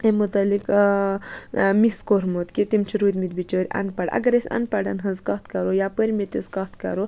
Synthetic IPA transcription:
emut̪ɐlik | miskoɾmot̪kit̪imt͡ʃʰiɾud̪mit̪bit͡ʃoɾʲɐ̰npaɖɐ̰ɡɐɾesʲɐ̰npaɽɐnɦɐzkɐt̪ʰkɐɾojapəɾʲmet̪iskɐt̪ʰkɐ̰ɾo

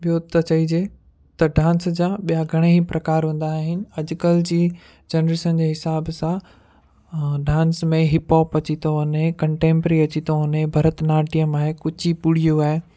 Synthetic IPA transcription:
ɓijot̪ɐt͡ɕɐid͡ʑeː | t̪ɐɖãːnsd͡ʑãɓijaɡʱɐɽ̃eɦipɾɐkaːɾɦũːn̆d̪aːɦɪnɪ̆ɐd͡ʑʊkəld͡ʑiː | d͡ʑenɾeːʃənd͡ʑeːɦɪsaːbsã | ɖãːnsmẽɦɪpoːpɐt͡ɕit̪ʰoʊnɦẽkɐ̃ɳʈẽːmpɾiɐt͡ɕit̪oɦʊnɦẽbʱɐɾət̪naːʈijəmaːɦekʊt͡ɕʰipʊɽ̤ijuaːɦeː

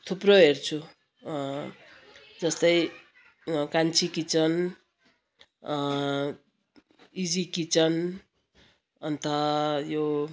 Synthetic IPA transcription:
t̪ʰuproɦert͡sʰu | d͡zʌst̪ʌj | kant͡sʰikit͡sʌn | id͡zikit͡sʌn | ʌnt̪ʰʌjo

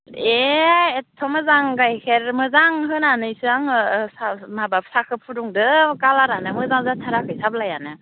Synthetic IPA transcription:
eetʰɔmɯzaŋɡajkʰeɾmɯzaŋɦɯnanɯjsɯaŋsamabap̚sakʰɯpʰuduŋdɯkalaɾanɯmɯzaŋzatʰaɾakʰɯjsablajanɯ

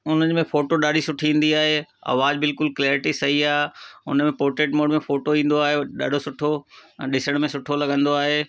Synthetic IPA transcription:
ʊn̤əɲmẽfoːʈoɗaːɗisʊʈʰiĩːn̆d̪iaːɦeːɐ̰ːʋaːd͡ʑbɪlkʊlkleːɾɪʈisɐɦiaːʊ̰nəmẽpoːɾʈɾeːʈmoːɖmẽfoːʈoĩːn̆d̪oaːɦeɗa̰ːɖʱosʊʈʰõɗɪsəɽ̃mẽsʊʈʰolɐɠə̃nd̪oaːɦeː

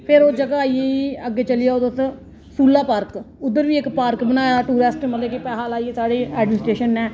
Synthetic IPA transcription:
pʰɪɾoːd͡ʒəɡaːieːiːəɡːeːt͡ʃəlɪjaːoːd̪əs | suːlaːpaːɾk | ʊd̪ːəɾʋiːɪkpaːɾkbənaːjaːʈuːɾeːsʈmət̪leːkepɛːɦaːlaːiːeːsaːɽeːɛːɖmɪnɪsʈɾeːʃənːɛː

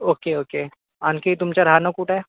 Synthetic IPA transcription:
oːkeoːkeː | aːnkeit̪ʊmt͡ʃɐɾɦaːnokuːʈɛː

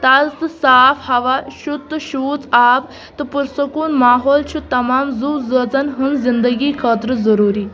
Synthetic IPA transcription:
t̪at͡st̪safhɐʋaɕud̪ɕuːt͡sab | t̪əpuɾsəkuːnmaːɦɔːlt͡ɕʰut̪ːɐmaːmd͡zud͡zət͡sənɦənzind̪əɡiːkʰət̪ɾəd͡zəɾuːɾiː

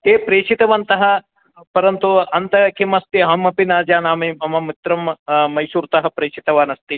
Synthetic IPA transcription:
eːpɾeːt͡ʃit̪ɐʋɐnt̪ɐɦɐ̆ | pɐɾɐnt̪uɐnt̪ɐkimɐst̪iɦɐmɐpinaːd͡ʒaːnaːmiɐmɐmit̪ɾɐmmɐjʃuːɾt̪ɐɦɐ̆pɾeːt͡ʃit̪ɐʋaːnɐst̪i

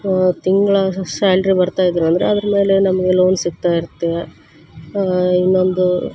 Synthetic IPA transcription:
t̪iŋɡɐɭɐsaːlɾibɐɾt̪aːjd̪iːɾuɐnd̪ɐɾeɐd̪ɾɐme̞ːle̞nɐmɐɡe̞lo̞ːnsiɡ̚t̪aːjiɾut̪ːija | inːo̞nd̪u

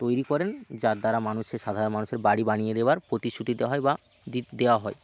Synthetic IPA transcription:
t̪ojɾikɔɾend͡ʑaɾd̪aɾamanuʃeʃad̪ʱaɾonmanuʃeɾbaɽibanijed̪ebaɾpɾot̪iʃut̪id̪eaɦɔeba | d̪id̪eoaɦɔe

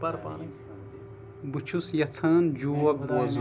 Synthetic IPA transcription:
pɐɾpa̰ | but͡ʃʰusjɐt͡sʰɐːnd͡ʒuːwɐk̚boːz

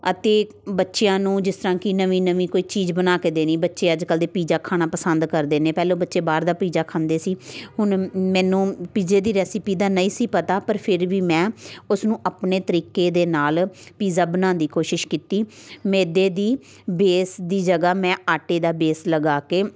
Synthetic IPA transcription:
ət̪eː | bətːʃejãːnũːd͡ʒɪst̪əɾãːkɪnəʋĩːnəʋĩːkoːiːt͡ʃiːd͡ʒbənaːkeːd̪eːnĩːbətːʃeːəd͡ʒkəld̪eːpiːzaːkʰaːɽ̃aːpəsənd̪kəɾd̪eːnẽːpɛːlõːbətːʃeːbaːɾd̪aːpiːzaːkʰãːnd̪eːsiːɦʊɳmɛ̃ːnũːpiːd͡ʒeːd̪iːɾɛːsɪpiːd̪aːnəĩːsiːpət̪aːpəɾpʰɪɾʋiːmɛ̃ːʊsnũːʔapneːt̪əɾiːkeːd̪eːnaːlpiːzaːbənãːnd̪iːkoːʃɪʃkiːt̪iːmeːd̪eːd̪iː | beːsd̪iːd͡ʒəɡaːmɛ̃ːaːʈeːd̪aːbeːsləɡaːkeː

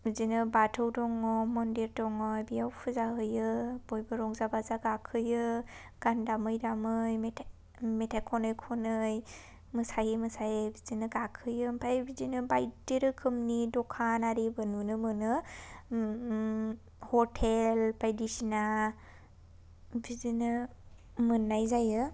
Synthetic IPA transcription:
bizinɯbatʰɯwdɔŋɔmɔndiɾdɔŋɔbijawpʰɯzaɦɯjɯb̥ɔjbɯɾɔŋzabazaɡakʰɯjɯ | ɡ̥andamɯjdamɯjmetʰ | metʰajkʰɔnɯjkʰɔnɯj | mɯsajɯmɯsajbizinɯɡakʰɯjɯmpʰajbizinɯbajdeɾɯkʰɯmnidɔkʰanaɾibɯnunɯmɯnɯ | hɔtʰelpʰajdisina | bizinɯ | mɯnːajzajɯ

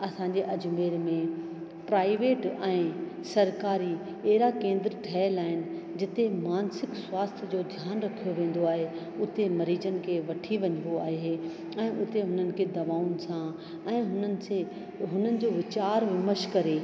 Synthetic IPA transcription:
ɐsãɲd͡ʑeʔɐd͡ʑmeːɾmẽ | pɾaːɪʋeːʈɛ̃ː | sɐɾkaːɾi | eɦɾakẽːnd̪ɾʈʰɛːlaːɦɪnɪ̆d͡ʑɪt̪emaːnsɪkswaːst̪ʰd͡ʑoːd̪ʱjaːnɾɐkʰijoʋẽːn̆d̪oaːɦe | ʊt̪emɐɾiːd͡ʑənɪ̆kʰeʋɐʈʰiʋɐɲə̃ɡoa̰ːɦe | ɛ̃ːʔʊt̪eɦʊnənɪ̆kʰeːd̪ɐʋaːʊnɪ̆sã | ɛ̃ːɦʊnənɪ̆se | ɦʊn̤ənɪ̆d͡ʑoːʋɪt͡ɕaːɾʋɪməʃkɐɾeː

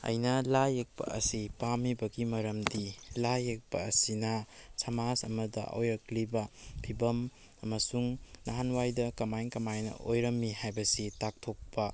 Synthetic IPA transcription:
ɐ̰jnɐlajek̚pɐ̰ʔɐsipamibɐɡimɐɾɐmdilajek̚pɐːsinɐsʰamasɐmɐdɐ̰ʔo̰jɾɐklibɐbʰibɐm | ɐmɐsuŋnaɦanwajdɐkɐmajnkɐmajnɐ̰ʔojɾɐmːihajbɐsitak̚tʰok̚pɐ

